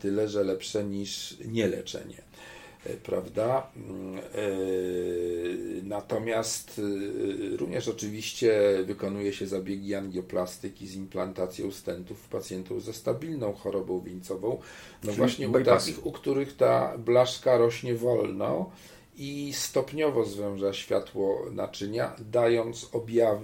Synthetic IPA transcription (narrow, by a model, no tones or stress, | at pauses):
t̪ɘlɛʐɛlɛpʂɛɲiʂɲɛlɛ̰t͡ʂɛ̰ɲɛ̰ | pɾavd̪a | nat̪ɔmʲjast̪ | ɾṵvɲɛʂɔt͡ʂɘvʲiɕt͡ɕɛvɘkɔnujɛɕɛzabʲjeɡʲianɡʲjɔplast̪ɘkʲizimplant̪at̪sʲjɔ̃w̃st̪ɛnt̪ufpat̪sʲjɛnt̪uwzast̪abʲilnɔ̃w̃xɔɾɔbɔ̃w̃vʲiɲt̪sɔvɔ̃w̃nɔvwaɕɲɛut̪akʲixukt̪uɾɘxt̪a̰blaʂkaɾɔɕɲɛvɔlnɔ̰̃ | ist̪ɔpɲɔvɔzvɛw̃ʐaɕfʲjat̪wɔna̰t͡ʂɘɲa̰d̪ajɔnt̪sɔbʲjav